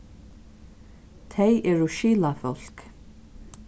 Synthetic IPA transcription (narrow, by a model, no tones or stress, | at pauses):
t̪ʰejʔɛːɹʊʃiːlafɔl̥k